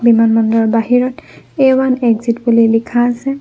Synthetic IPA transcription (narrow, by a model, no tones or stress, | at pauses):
bimanmɔndɔɹbaɦiɹɔt | ewanɛɡzitbulilikʰaːsɛ